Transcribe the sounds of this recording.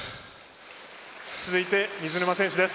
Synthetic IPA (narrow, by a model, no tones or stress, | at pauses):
t͡sɨzɨit̪e̞ɲ̟ʲizɨɾɯmasẽɕid̪es